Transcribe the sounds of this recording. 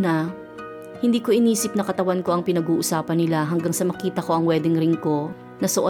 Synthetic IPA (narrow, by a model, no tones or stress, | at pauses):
nɐ | hɪnd̪iːko̞ʔɪniːsɪp̚nɐkɐt̪ɐwanko̞ʔɐŋpɪnɐɡuːʔʊsaːpɐnːɪlaɦɐŋɡaŋsɐmɐkiːt̪ɐko̞ʔɐŋwɛːd̪ɪŋɾɪnko̞ | nɐsoʔo